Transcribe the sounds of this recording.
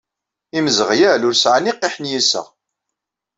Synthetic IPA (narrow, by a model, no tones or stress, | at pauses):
iməzəʁjælʊɾsʕaniqːiħnjisə̰ʁ